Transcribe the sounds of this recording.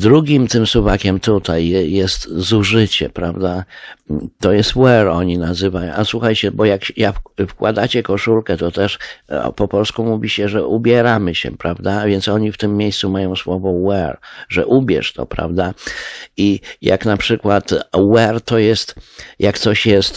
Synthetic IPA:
d̪ɾuɡʲimt̪ɘmsuvakʲɛmt̪ut̪ajjɛst̪zuʐɘt͡ɕɛ̰pɾavd̪a | t̪ɔjɛst̪wɛɾɔɲinazɘvajɔ̃ʔaswuxajt͡ɕɛbɔjakjaffkwa̰d̪at͡ɕɛkɔʂulkɛt̪ɔt̪ɛʂpɔpɔlskumuvʲiɕɛʐɛʔubʲjɛɾamɘɕɛ̰pɾavd̪avʲjɛnt̪sɔɲift̪ɘmːjejssumajɔ̃w̃swɔvɔwɛɾʐɛ̰ʔubʲjɛ̰ʂt̪ɔ̰pɾa̰vd̪a | ija̰knapʂɘkwat̪wɛɾt̪ɔjɛst̪jʔakt̪sɔɕjɛst̪

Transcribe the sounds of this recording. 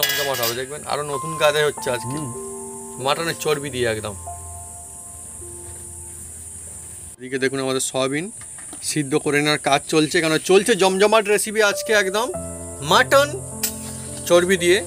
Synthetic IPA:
ɔmd͡ʑɔmaʈɦabed̪ek̚bena̰ɾonot̪unkad͡ʑaɦotːɕʰead͡ʑke | maʈanet͡ɕoɾbid̪ieɛkd̪om | ed̪iked̪ekʰunamad̪eɾsɔbin | ʃid̪ʱːokoɾenaɾkad͡ʑt͡ɕolt͡ɕʰekɛnot͡ɕolt͡ɕʰed͡ʑɔmd͡ʑɔmaʈ̬ɾesibead͡ʑkeɛkd̪omːaʈan | t͡ɕoɾbid̪ije

